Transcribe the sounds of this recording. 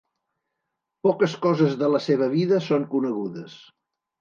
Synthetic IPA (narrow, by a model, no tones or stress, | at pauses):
pɔkəskɔzəzðələseβ̞əβ̞iðəsoŋkunəɣuðəs